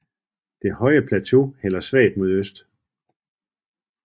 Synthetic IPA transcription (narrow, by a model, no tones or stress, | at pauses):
d̥e̝hɒ̽ɪəpʰlæt͡sʰo̝hel̰ɐsʋɛ̰ːd̥mo̝ð̞ˠøsd̥